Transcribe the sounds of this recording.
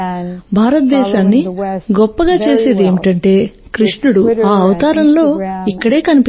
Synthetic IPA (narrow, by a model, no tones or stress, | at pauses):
bʱaːɾɐt̪̚d̪ɛːʃaːnːiɡɔpːɐɡaːt͡ʃe̞ːseːd̪ieːmiʈɐɳʈe̞ːkɾiʂɳuɽuaːɐʋɐt̪aːɾɐmlo̞ːikːɐɽe̞ːkɐnipi